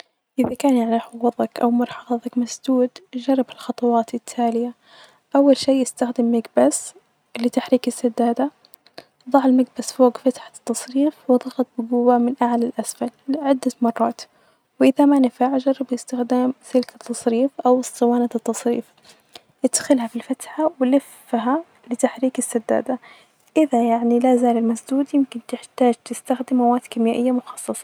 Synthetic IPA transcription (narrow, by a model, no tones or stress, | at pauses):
ʔɪðakaːnjaʕniħʊɣɑðˤɑkʔa̰wmɑɾˤħɑɣɑðˤɑkmasd̪uːd̪ʒɑrˤːɑbɪlxɑt̪ˤɑwɑːt̪ɪt̪ʰːaːlɪja | ʔawːalʃiːjɪst̪axd̪ɪmːaɡbas | lɪt̪aħɾiːkɪsːad̪ːaːd̪a | ðˤɑʕɪlmaɡbasfoːɡfat̪ħat̪ːɑsˤɾiːfwɨðˤɑɣɑt̪̚ˤbɪɡuːwːamɪnʔaʕalalʔasfalɪʕɪd̪ːamɑrˤːɑːt̪ | wɪʔɪðamanɪfaʕʒɑɾˤbjɪst̪ɪxd̪aːmsɪlkat̪ːɑsˤɾiːfʔawst̪ˤɨwaːnat̪ːɑsˤɾḭːf | ʔɪd̪xɪlhafilfat̪ħawɪlɪf | ɦa | lɪt̪aħɾiːkɪsːad̪ːa̰ːd̪a | ʔɪðajaʕnilazaːlɪlmasd̪uːd̪jɪmkɪnt̪ɪħt̪aːd͡ʒt̪ɪst̪axd̪ɪmːawaːt̪kɪmjaːʔɪjːamʊxɑ̥sˤːɨsˤɑ̥